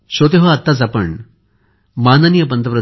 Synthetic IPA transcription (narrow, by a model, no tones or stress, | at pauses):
ɕot̪eɦəat̪ːat͡sapəɳ | mananijəpənt̪əpɾə